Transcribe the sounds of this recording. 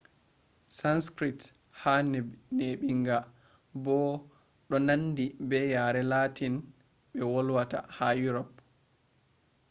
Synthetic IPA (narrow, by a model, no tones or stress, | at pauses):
sanskɾit | hanɛbneɓiŋɡa | bɔ | ɗɔnandibɛjaɾɛlatin | ɓɛwɔlwata̰hajuɾɔp